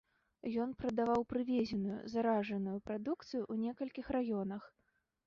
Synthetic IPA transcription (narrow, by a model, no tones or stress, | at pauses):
jɔnpɾɐd̪avawpɾɨvʲɛzʲɛnujṵzaɾaʐɐnujupɾad̪uk̚t̪sɨjuʔunʲɛkɐlʲkʲixrajɔnɐx